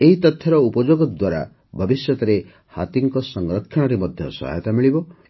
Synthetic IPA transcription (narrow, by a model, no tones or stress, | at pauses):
eɦit̪ɔt̪ʰjɔɾɔupɔd͡ʒoɡɔd̪waɾa̰ | bʱɔbisjɔt̪ɔɾe | ha̰t̪iŋkɔsɔŋɾɔkʰːjɔɽ̃ɔɾemɔd̪ʱjɔ̰sɔ̰ɦa̰jt̪amiɭibɔ